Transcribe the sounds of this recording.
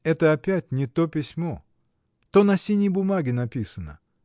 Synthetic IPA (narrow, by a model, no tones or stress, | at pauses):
ɛt̪əɐpʲætʲnʲɪt̪o̞pʲɪsʲmo̞ | t̪o̞nɐsʲinʲɪjbʊmaɡʲɪnɐpʲisənə̰